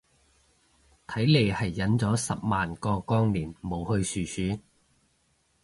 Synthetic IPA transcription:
t̪ʰɐ˨˥jle˨˩jhɐ˨jːɐ˨˥nt͡sɔː˨˥sɐ˨p̚maː˨nkɔː˧kɔː˥ŋliː˨˩nmo˨˧whɵ˧ɥsyː˨˧syː˨˥

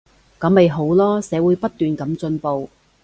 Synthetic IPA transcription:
kɐ˨˥mːe˨jɦo˨˥wlɔː˥sɛː˨˧˥wuː˨˥jpɐ˥t̪̚ːyː˨nkɐ˨˥mt͡sɵ˧npo˨w

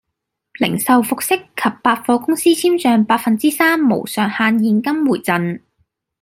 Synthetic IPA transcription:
lɪ̰˨˩ŋsɐ˨˧wfʊ˨k̚sɪ˥kʰːɐ˨pːaː˧t̚fɔː˧kʊ˥ŋsiː˥t͡sʰiː˥mt͡ʃœː˨˧ŋpaː˧t̚fɐ˨nt͡siː˥saː˥mːo̰˨˩wsœː˨˩ŋhaː˧njiː˧nkɐ˥mwuː˨˩jt͡sɐ˨˧n

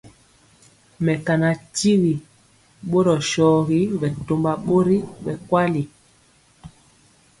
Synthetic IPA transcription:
mɛ˨ka˨na˨ti˦wi˨ | ɓo˦ɾɔ˨ʃɔː˨ɣi˦bɛ˨to˨mba˨ɓo˦ɾi˦ɓɛ˨kwa˦li˨

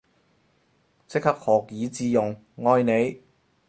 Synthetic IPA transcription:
t͡sɪ˥k̚hɐ˥k̚hɔː˨˩k̚jiː˨˥t͡siː˧jʊ˨ŋ | ŋɔː˧jne˨˧j

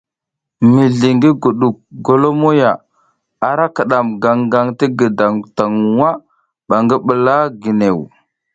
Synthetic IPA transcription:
mi˨ɮi˨ŋɡi˦ɡu˨ɗu˨k̚ɡo˨lo˦mo˦ja˨ | a˨ɾa˦kə˨ɗa˨mɡa˨ŋɡa˨ŋti˦ɡə˨da˨ŋta˨ŋwa˦ | ɓa˨ŋɡi˦ɓə˨la˦ɡi˨ne˨w

